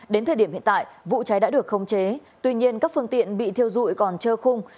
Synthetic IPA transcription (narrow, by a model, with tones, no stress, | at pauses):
ɗe˨˦nt̪ʰəː˨˩ɗi˧˩əmhḭ˧˨nt̪a̰ː˧˨jvṵ˧˨t͡ɕa˨˦jɗa̰ː˧˥ɗɨ˨˩ək̚xə˧wŋ͡mt͡ɕe˨˦t̪wi˧ɲi˧ənkaː˦˥k̚fɨ˧əŋt̪ḭ˧˨ənɓḭ˧˨t̪ʰi˧əwzṵ˧˨jkɔ˨˩nt͡ɕəː˧xʊ˧ŋ͡m